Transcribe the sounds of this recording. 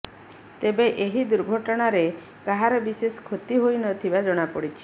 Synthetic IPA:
t̪ebeʔeɦid̪uɾɡʱɔʈɔɽ̃aɾe | kaɦaɾɔbiseskʰot̪iɦojnɔt̪ʰibad͡ʒɔɽ̃apɔɽit͡ʃʰi̥

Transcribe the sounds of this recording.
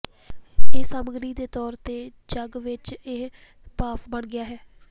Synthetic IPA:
eːsaːməɡɾiːd̪eːt̪ɔːɾt̪eː | d͡ʒəɡʋɪt͡ʃeː | paːpʰbəɳɡɪjaːɦɛː

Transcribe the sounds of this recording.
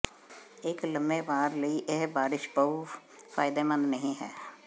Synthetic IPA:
ɪkləmeːbaːɾləiːʔeɦbaːɾɪʃbəu | fʰaːɪd̪eːmə̃nd̪nəɦĩɦɛ̰ː

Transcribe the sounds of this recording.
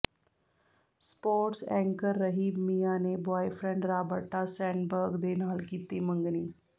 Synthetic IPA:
spoːɾʈsɛ̃ŋkəɾːəɦiːbmijanebɔjfɾẽɳɖɾabəʈːasɛɳɖbəɾɡd̪enaːlkit̪iməŋɡniː

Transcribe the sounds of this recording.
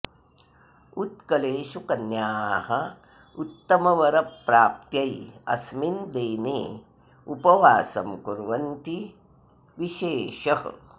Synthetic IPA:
ut̪kɐleːʃukɐnjaːɦɐ | ut̪ːɐmɐʋɐɾɐpːɾaːp̚t̪jɐjɐ̰smind̪eːnḛː | upɐʋaːsɐmkuɾʋɐnt̪i | ʋiʃeːʃɐhɐ̰

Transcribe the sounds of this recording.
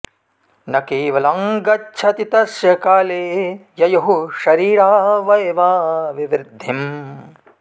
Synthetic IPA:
nɐkeːʋɐlɐŋɡɐtːʃʰɐt̪it̪ɐsjɐkaːleːjɐjɐɦuʃɐɾiːɾaːʋɐjʋaːʋiʋɾɪd̪ʱːim

